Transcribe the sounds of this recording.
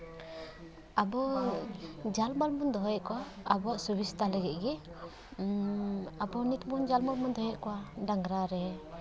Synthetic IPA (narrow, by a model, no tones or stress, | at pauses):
abɔ | d͡ʒalmalmɔnd̪ɔɦjɛʔkɔwaːbɔʔsɔbist̪alɛɡɛʔ̪̚ɡɛ | abɔnit̪mund͡ʒalmalmɔnd̪ɔɦjɛʔkɔwaɖaŋɡɾaɾɛ